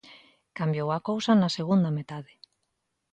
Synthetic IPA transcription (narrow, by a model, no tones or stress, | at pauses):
kambjowakowsanaseɣ̞und̪ɐmet̪aðɪ